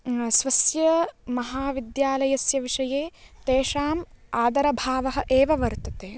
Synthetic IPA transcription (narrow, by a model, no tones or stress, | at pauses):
sʋɐsjɐmɐɦaːʋid̪jaːlɐjɐsjɐʋiʂɐjeːt̪eːʂaːmaːd̪ɐɾɐbʱaːʋɐɦɐ̆ʔeːʋɐʋɐɾt̪ɐ̥t̪eː